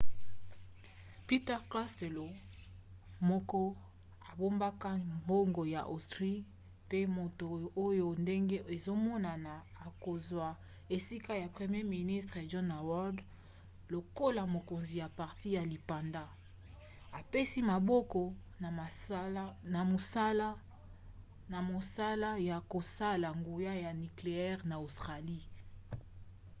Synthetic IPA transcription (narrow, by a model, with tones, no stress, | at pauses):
pi˦tɛ˦ʁkla˦ste˨lo˨ | mɔ˦kɔ˦ | a˨bo˦mba˦ka˦mbo˦ŋɡo˨ja̰˨ʔo˨stʁi˦ | pe˦mo˨to˨o˦jo˨nde˦ŋɡe˦e˨zo˦mɔ˦na˨naː˨ko˨zwa˨ | e˨si˦ka˦ja˨pʁe˨mje˦mi˨ni˦stʁe˨ʒɔ˦na˨wɔ˦d | lo˨ko˦la˨mo˨ko˨nzi˨ja˨pa˨ʁti˦ja˨li˨pa˨nda˦ | a˨pe˦si˦ma˨bɔ˦kɔ˨ | na˨˦ | na˨mo˨sa˦la˦ | na˨mo˨sa˦la˦ja˨ko˨sa˦la˨ŋɡo˨ja˦ja˨ni˨kle˨ɛ˦ʁna˨o˨stʁa˨li˦